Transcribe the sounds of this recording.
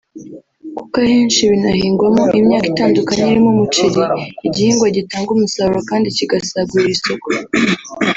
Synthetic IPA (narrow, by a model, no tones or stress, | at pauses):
ku̥kaheːnʃiβinahiːŋɡwamoʔimɲaːkitaːndukaɲeiɾimomut͡ʃiɾiiɟihiːŋɡwaɟitaːŋɡumusauɾakaːndiciɡasaɡɡuɾiɾiso̞ko